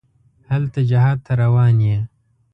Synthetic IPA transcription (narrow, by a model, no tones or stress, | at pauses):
hɐlt̪ad͡ʒaɦaːd̪̚t̪ʰːaɾɐwɑːnje